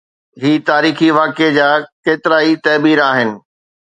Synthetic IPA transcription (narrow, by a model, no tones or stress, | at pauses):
ɦiːt̪aːɾiːxiʋaːked͡ʑaːkeːt̪ɪɾaːit̪ɐːbiːɾaːɦɪnɪ̆